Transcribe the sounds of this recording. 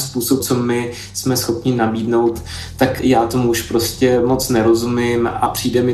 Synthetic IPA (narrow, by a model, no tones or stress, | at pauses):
spuːsop̚t͡so̞mɪ | smɛsxo̞pɲɪnabiːdnowt̪ː | akjaːt̪o̞muuʃpɾo̞scɛmo̞t͡snɛɾo̞zumɪma̰pr̝̥iːdɛmɪ